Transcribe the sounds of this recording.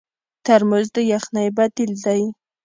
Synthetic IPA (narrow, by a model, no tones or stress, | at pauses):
t̪aɾmʊzd̪əjaxnajbat̪ild̪aj